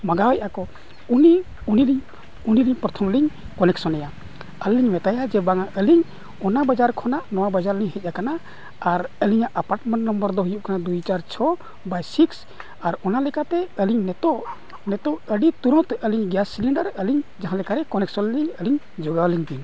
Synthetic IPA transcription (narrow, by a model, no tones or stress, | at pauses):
maɡawɛjʔakɔ | uni | uniɾiɲ | uniɾiɲpɾɔt̪ʰɔmliɲ | kɔnɛksɔnɛja | əlːiɲmɛt̪ajad͡ʒɛbaŋaʔəliɲ | ɔnabad͡ʒaɾkʰɔnaʔnɔwabad͡ʒaɾliɲhɛc̚ʔakanaː | ɾəliɲaʔəpaɾʈmɛɳʈnɔmbəɾd̪ɔɦujup̚kanad̪ujt͡ʃaɾt͡ʃʰɔ | bajsiks | aɾɔnalɛkat̪ɛəliɲnɛt̪ɔʔ | nɛt̪ɔʔəɖit̪uɾɔ̃t̪ʔəliɲɡjasːiliɳɖəɾəliɲd͡ʒaɦãlɛkaɾɛkɔnɛksɔnliɲəliɲ | d͡ʒɔɡawliɲb̪iɲ